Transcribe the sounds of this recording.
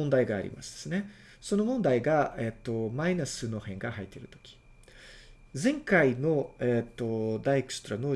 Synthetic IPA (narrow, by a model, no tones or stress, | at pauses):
õnd̪aiɡa̰ːɾʲḭma̰sɨ̥d̪̥e̥sɨne̞ | so̞no̞mõ̞nd̪aiɡaet̪ːo̞mainasɨno̞hẽ̞ŋɡahait̪ːe̞ɾɯ̟t̪o̞̥kʲi̥ | zẽ̞ŋkaino̞et̪ːo̞d̪aikɯ̟̥t͡sɨ̥t̪oɾano̞ː